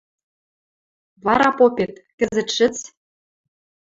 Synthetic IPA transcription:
βɑɾɑpopʲet̪kɘ̆zɘ̆t̪ʃɘ̆t͡s

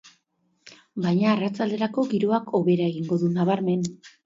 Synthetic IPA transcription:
bajɲaːrat͡sald̪e̞ɾako̞ɣiɾoakʰo̞βe̞ɾaeɣiŋɡo̞ðunaβaɾme̞n

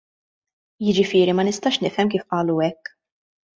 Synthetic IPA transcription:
jɪd͡ʒɪfɪːɾimɐnɪst̪ɐːʃnɪʔfɛmkiːfʔɐːluɛkː

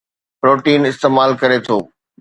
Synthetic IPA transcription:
pɾoːʈiːnɪst̪eːmaːlkɐɾet̪ʰo̰ː

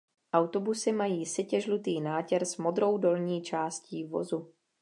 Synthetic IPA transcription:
ʔawt̪o̞busɪmajiːsɪcɛʒlut̪iːnaːcɛɾzmo̞d̪ɾo̞wdo̞lɲiːt͡ʃaːsciːvo̞̰zu

